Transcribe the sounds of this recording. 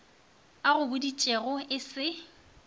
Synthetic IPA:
aɣʊbʊdit͡ʃʼeɣʊɪsɪ

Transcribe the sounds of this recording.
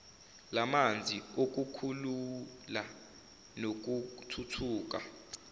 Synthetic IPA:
lamand͡zʱiok̬ukʰulula | nok̬utʰutʰuːk̬a̰

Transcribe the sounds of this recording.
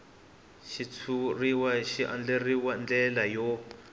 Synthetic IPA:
ʃit͡sʰuriwaʃiʔa̰nd͡ɮeriwand͡ɮɛlajɔ

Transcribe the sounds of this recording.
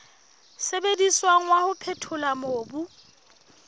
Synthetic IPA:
sebediswaŋ̩wahʊpʰɛtʰʊlamoːbu

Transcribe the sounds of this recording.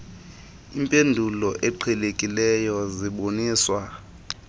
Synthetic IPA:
impʼendʱulɔʔɛǃʰɛlekʼilɛjɔziɓoniːswa

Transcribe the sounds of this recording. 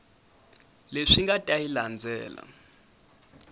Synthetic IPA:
leʂiŋɡatʼailand͡zʱɛ̰ːla̰

